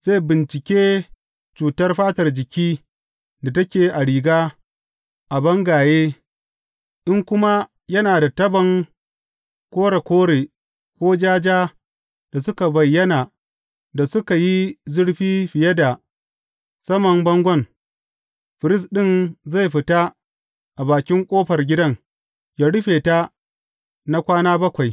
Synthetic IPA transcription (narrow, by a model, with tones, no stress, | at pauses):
z̥a˦˨bɪ˨nt͡ʃɪ˨kʲeː˦ | t͡ʃuː˨tɐ˦rɸaː˦tɐ˨rd͡ʒɪ˨kʲiː˦ | da˨tɐ˦kʲeː˨ʔa˨ɽiː˨ɡaː˦ | ʔa˨bɐ˦ŋɡaː˨jeː˦ | ʔɪ˦ŋkʷʊ˦ma˦ | jɐ˦naː˨da˨tɐ˦bɐ˨ŋ | kʷoː˦ɽe˨kʷoː˦ɽeː˨ | kʷoː˦d͡ʒaː˦d͡ʒaː˦ | d̥a˨sʊ˦ka˨bɐ˨jːɐ˦naː˨ | da˨sʊ˦ka˨ji˦zʊ˦ɽɸiː˦ɸɪ˨jɐ˦da˨ | sɐ˦mɐ˨mbɐ˦ŋɡʷɔ˦ŋ | ɸɪ˨ɾɪ˦s̬ɗɪ˦nza˦˨jɸɪ˨ta˦ | ʔa˨baː˨kʲɪ˦ŋkʷʼoː˦ɸɐ˨rɡʲɪ˦dɐ˦ŋ | jaː˦ɽʊ˦ɸeː˨ta˦ | na˦kʷaː˦naː˦bɐ˦kʷa˨j